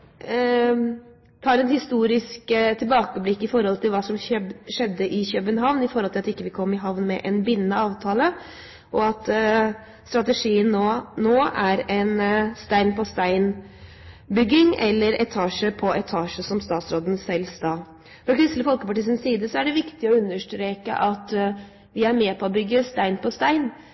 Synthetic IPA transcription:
t̪ʰɑːɾɛnhɪst̪uːɾɪskt̪ʰɪlbɑːkəblɪkːɪfɔɾhɔlt̪ʰɪlʋɑːsɔmœʂɛd̪ːəʔɪçœbənɦɑʋnɪfɔɾhɔlt̪ɪɑt̪ɪkːəʋɪkʰɔmːɪɦɑʋnmɛ̰ʔɛnbɪnːənəɑːʋt̪ʰɑːlə | ʔɔɑt̪ | st̪ɾɑt̪əʂiːənoːnoːʔæɾɛnst̪æɪnpʰɔst̪æɪn | bʏɡːɪŋɛlːəɾɛt̪ʰɑːʂəpʰɔɛt̪ʰɑːʂəsɔmst̪ɑːt̪sɾoːd̪n̩sɛlst̪ɑː | fɾɑkʰɾʉsləfɔlkəpɑʈɪsnsiːd̪əsɔæɖɛʋɪkt̪ɪɔʉnːəʂʈɾeːkə̰ʔɑt̪ | ʋɪæɾmeːpʰɔɔbʏɡːəst̪æɪnpʰɔst̪æɪn

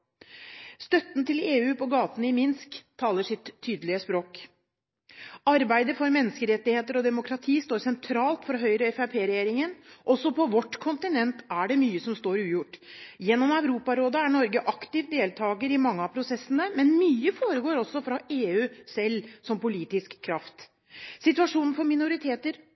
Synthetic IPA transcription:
st̪œt̪nt̪ɪleːʉːpʰɔɡɑːt̪nɪmɪnskt̪ʰːɑːləʂɪt̪ʰːyːd̪əlɪəspɾoːk | ɑɾbæɪd̪əfɔɾmɛnːəskəɾɛt̪ːɪheːt̪əɾɔd̪ɛmʊkʰɾɑt̪ʰiːst̪oːɾsɛnt̪ʰɾɑːlt̪fɔɾɔɦœʏɾəɛfæpʰeːɾɛjeːɾɪŋənʔɔsɔpʰɔʋɔʈːkʰʊnt̪ɪnɛnt̪æɖɛmyːəsɔmst̪oːɾʉːjʊʈːjɛnːɔmæʉɾuːpɑɾoːd̪ɑæɳɔɾɡəʔɑkt̪ɪʋd̪eːlt̪ʰɑːɡəɾɪmɑŋːəɑpʰɾʊsɛsːənəmɛnmyːəfoːɾəɡoːɾɔsːɔfɾɑʔeːʉːsɛlːsɔmpʊliːt̪ɪskʰːɾɑft̪ | sɪt̪ʉɑʂuːnn̩fɔɾmɪnʊɾɪt̪ʰeːt̪əɾ

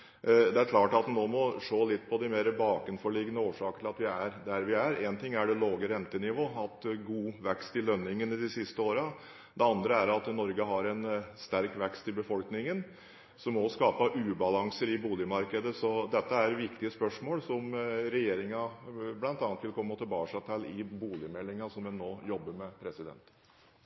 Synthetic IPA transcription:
d̪ɛæɾkʰlɑːʈɑt̪noːmɔʂoːlɪt̪ːpʰɔd̪ɪmeːɾəbɑːkənfɔɭɪɡənəoːʂɑːkəɾʈ̪ʰɪlɑt̪ʋɪæɾd̪æɾʋɪæɾeːnt̪ʰɪŋːæɖɛloːɡəɾɛnt̪ənɪʋoːɑt̪ɡuːʋɛkst̪ɪlœnːɪŋənɪd̪ɪsɪst̪əoːɾɑ | d̪ɛɑnd̪ɾəæɾɑt̪nɔɾɡəɦɑɾɛnst̪æɾkʋɛkst̪ɪlbəfɔlknɪŋən | sɔmːɔskɑːpɑʔʉːbɑlɑŋsəɾɪbuːlɪmɑɾkəd̪əsɔd̪ɛt̪ːəæɾʋɪkt̪ɪəspœʂmoːlsɔmɾɛjeːɾɪŋɑblɑnt̪ɑnət̪ʋɪlkʰɔmːəɔt̪ʰɛbɑːʂɑt̪ʰɛlɪbuːlɪəmɛlːɪŋɑsɔmʋɛnːoːjɔbːəɾmɛpʰɾɛsɪd̪ɛ̰nt̪

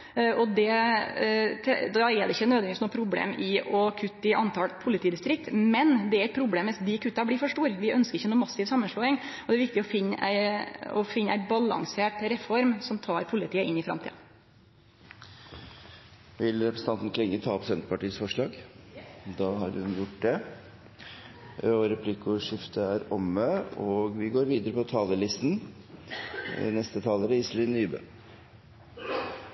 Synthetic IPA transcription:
ɔd̪ɛ | t̪ʰd̪ɑɛd̪ɛɪçːənøːd̪ʋɛnʋɪsnuːpʰɾʊblḛːmɪɔkʰʉt̪ːɪʔɑnt̪ʰɑːlpʰʊlɪt̪iːd̪ɪst̪ɾɪk̚t̪mɛnd̪ɛæɾɛɪt̪̚pʰɾʊbleːmʋɪsd̪ɪkʰʉt̪ːɑbliːfɔʂʈuːɾʋɪœnskəɾɪçːənuːmɑsːɪʋsɑmːənʂɭoːɪŋɔd̪ɛɾʋɪkt̪ɪɔfɪnːæ̰ɪɔ̰fɪnːəæ̰ɪbɑlɑ̰ŋseːʈɾɛfɔɾmsɔmt̪ʰɑːɾpʰʊlɪt̪ʰiːəʔɪnːɪfɾɑ̰mt̪ʰḭːɑ̰ | ʋɪlɾɛpʰɾəsəɑnnɪkːəlɛŋːət̪ʰɑːpsɛnt̪əpɑʈiːəsfɔʂɭɑːɡ | d̪ɑːɦɑɾhʉnjʊʈːd̪ɛ | øɔɾɛpʰlɪkʊʂɪft̪ʰəæɾɔmːəoːɡʋɪɡoːɾʋiːd̪əɾəpʰɔt̪ʰɑːləlɪst̪n | nɛst̪ət̪ʰɑːləɾəɪslɪːnyːbø̰ː

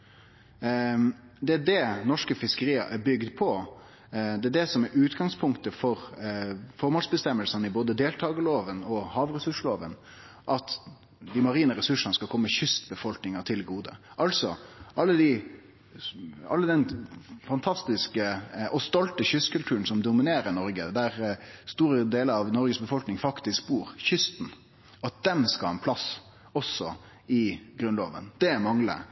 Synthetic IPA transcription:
d̪ɛæɖɛnɔʂkəfɪskəɾiːə̰ʔæbʏɡd̪pʰɔ | d̪ɛæɖ̪ɛsɔmæɾʉːt̪ɡɑŋspʰʊŋkt̪əfɔɾ | fɔɾmɑːlsbəst̪ɛmːəlsənəɪboːd̪əd̪eːlt̪ʰɑːɡəloːʋənɔhɑːʋɾɛsʉʂɭoːʋən | ʔɑt̪ | d̪ɪmɑɾiːnəɾɛsʉʂənəskɑlkʰɔmːəçʏsbəfɔlknɪŋət̪ʰɪlɡuːd̪ə̰ʔɑlsɔ̰ʔɑlːəd̪i | ɑ̰lːəd̪ɛnfɑnt̪ʰɑst̪ɪskəʔɔst̪ɔlt̪əçʏskʰʉlt̪ʰʉːɾən̩sɔmd̪ʊmɪneːɾənɔɾɡəd̪æɾst̪uːɾəd̪eːləɾɑʋnɔɾɡəsbəfɔlknɪŋfɑkt̪ɪskbuːɾçʏst̪n̩ | ɑt̪̚d̪̥ɛmskɑlɑɛnpʰlɑs | ɔsːɔ | ɪɡɾʉnlo̰ːʋə̰nd̪̥ɛmɑŋlə̰

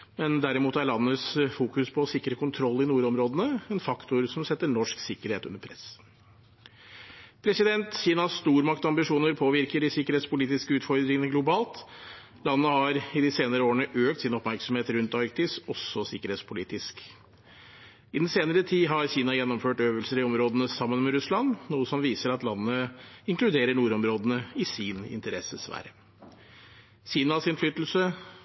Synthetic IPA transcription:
mɛnd̪æɾɪmuːt̪æɾɭɑnːəsfuːkʉspʰɔːsɪkːɾəkʰʊnt̪ʰɾɔlːɪnuːɾɔmɾoːd̪ənəɛnfɑkt̪ʊɾsɔmsɛt̪ːəɳɔʂksɪkːəɾheːt̪ʉ̰nːəɾpʰɾɛs | pʰɾɛsɪd̪ɛnt̪çiːnɑsst̪uːɾmɑkt̪ɑmbɪʂuːnəɾpʰoːʋɪɾkəɖɪsɪkəɾheːt̪spʊliːt̪ɪskəʉːt̪fɔɾd̪ɾɪŋənəɡlʊbɑːlt̪ | lɑnːəhɑɾɪd̪ɪseːnəɾəoːəɳəʔøːkt̪sɪnɔpmæɾksɔm̩heːt̪ɾʉnt̪ɑɾkt̪ɪsɔsːɔsɪkəɾheːt̪spʰʊlḭːt̪ɪsk | ɪd̪ɛn̩seːnəɾət̪ʰiːɦɑɾçiːnɑjɛnːɔmføːʈøːʋəlsəɾɪɔmɾoːd̪ənəsɑmːənmɛɾʉslɑnnuːəsɔmʋiːsəɾɑt̪lɑnːəɪŋklʉd̪eːɾəɳuːɾɔmɾoːd̪ənəɪsɪnɪ̰nt̪əɾɛsəsʋæ̰ːɾə | çiːnɑsɪnflʏt̪l̩sə

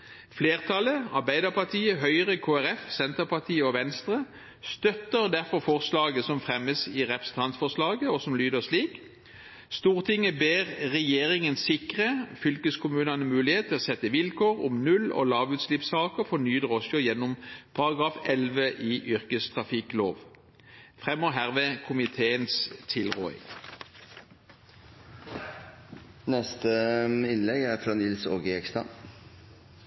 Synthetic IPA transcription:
fleːʁt̪ʰɑləɑʁbæɪd̪əpɑt̪ʰiːəɦœʏəʁəkʰoːæʁɛfsɛnt̪əʁpɑʁt̪ʰiːəɔʋɛnst̪ʁə | st̪œt̪əʁd̪æʁfɔʁfɔʁslɑːɡəsɔmfʁɛməsɪʁɛpʁəsn̩t̪ʰɑnt̪fɔslɑːɡəɔsɔmlyːd̪əsliːk | st̪uːʁt̪ʰɪŋːəbeːʁʁɛjeːʁɪŋənsɪkʁəfʏlkəskʰʊmʉːnɑnəmʉːlɪheːt̪t̪ʰːɪlɔsɛt̪ːəʋɪlkʰoːʁɔ̰mnʉlɔ̰lɑːʋʉːt̪slɪpsɑːkəfɔnyːd̪əʁɔsɔjɛnːʊmpʰɑʁɑɡʁɑːfɛlʋəʔiːʔʏʁkəst̪ʰʁɑfɪkloːʋ | fʁɛmːɔɦæːʁʋeːkʰʊmɪt̪ʰeːənst̪ʰɪlʁṵːɪ̰ŋ | nɛst̪əɪnlɛɡæɾfɾɑːnɪlsoːɡəɛkst̪ɑ̰

